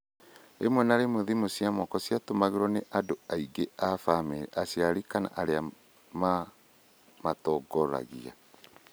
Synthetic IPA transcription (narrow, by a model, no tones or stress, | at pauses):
ḛmwɛnaɾemoðimosiamɔkɔsiatomaɣeɾɔneʔadoaiɡeafamɛʔasiaɾikana̰ʔaɾea | ma | matɔɡɔɾa̰ɣia̰